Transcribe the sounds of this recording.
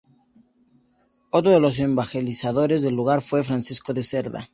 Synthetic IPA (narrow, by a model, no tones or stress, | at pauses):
ot̪ɾoðe̞lo̞s̬embaxelisaðo̞ɾe̞zðe̞lːuɣ̞aɾfwe̞fɾansisko̞ðeseɾða̰